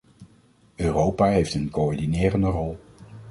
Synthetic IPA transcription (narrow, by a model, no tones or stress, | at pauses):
ʔøːrowpaːɦejftənkoɔɹdinɪːrəndərɔlˠ